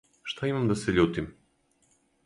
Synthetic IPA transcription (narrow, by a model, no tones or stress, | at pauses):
ʃt̪aimamd̪aseʎuːt̪im